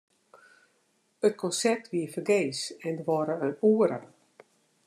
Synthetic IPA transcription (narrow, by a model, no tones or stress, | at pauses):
ət̚kʰɔnsɛr̚tʰʋiəfərɡeːsɛndəʋɔɾəənuːəɾə̰